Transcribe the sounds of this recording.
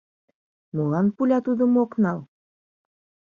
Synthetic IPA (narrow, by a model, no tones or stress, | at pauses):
molɑnpulʲɑt̪ud̪ə̆moknɑlˠ